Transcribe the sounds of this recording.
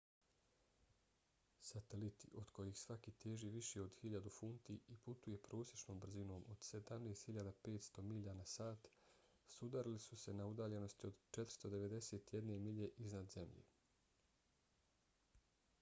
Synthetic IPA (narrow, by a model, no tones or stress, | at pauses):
sat̪elit̪ḭʔo̞d̪̥kʰo̞jixsʋakiːt̪eːʒiʋiʃeo̞d̪xiʎad̪ufunt̪iiput̪uje̞pɾo̞ːsjet͡ʃno̞ːmbr̩zino̞ːmʔod̪̥se̞d̪amneːst̪hiʎad̪ape̞ːt̪st̪o̞miʎanasaːt̪ | sud̪aɾilisuse̞naud̪aːʎe̞no̞st̪io̞d̪t͡ʃet̪ɾ̥st̪od̪e̞ʋe̞d̪e̞seːt̪jed̪ne̞miʎe̞ʔiznad̪ze̞mʎḛ